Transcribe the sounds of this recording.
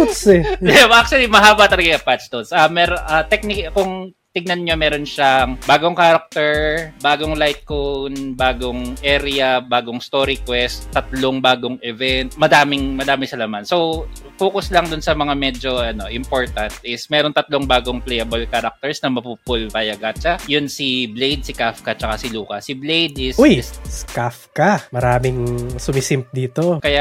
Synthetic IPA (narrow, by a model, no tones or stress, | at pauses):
sɛd̪ɛmʔak̚t͡ʃʊɐlimɐɦaːbɐt̪ɐlɐɡaŋɐpat͡ʃd̪onsʔɐmɛɾʔɐt̪ɛk̚nɪkkʊŋ | t̪ɪɡ̚nɐnɲomɛːɾo̞nʃaŋbaːɡoŋkaɾɐk̚t̪ɛɹbaːɡoŋlajt̪̚konbaːɡoŋʔɛːɾɪɐbaːɡoŋst̪oːɾikwɛst̪ːɐt̪loŋbaːɡoŋʔɛvɛnt̪̚mɐd̪aːmɪŋmɐd̪aːmɪsɐlɐmanso | foːkʊslɐŋd̪ʊnsɐmɐŋamɛd͡ʒo̞ʔɐno̞ʔɪmpo̞ɹt̪ɐnt̪ʔɪsmɛːɾont̪ɐt̪loŋbaːɡoŋplɛjɐbolkɐɾɐk̚t̪ɛɹsnɐmɐpuːpʊlvajɐɡat͡ʃɐjʊnsiblejd̪̚sɪkafkɐt͡ʃɐkasɪluːkɐsɪblejd̪ʔɪsojsskafkɐmɐɾaːmɪŋsʊmisimp̚d̪iːt̪okɐja